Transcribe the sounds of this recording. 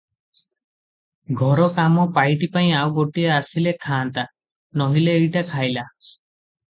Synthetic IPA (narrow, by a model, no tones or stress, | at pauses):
ɡʱɔɾɔkamɔpajʈipaĩawɡoʈiaasilekʰaːnt̪a | nɔɦileːjʈakʰajla